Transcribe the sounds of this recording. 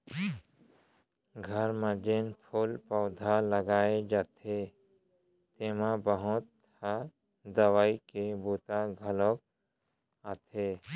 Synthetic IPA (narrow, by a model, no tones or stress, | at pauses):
ɡʱəɾmad͡ʒenpʰʊlpɔːd̪ʱaləɡaːed͡ʒaːt̪ʰe | t̪eːmabəɦʊt̪ | a | d̪əwaːikebuːt̪aɡʱəlok̚ | at̪ʰe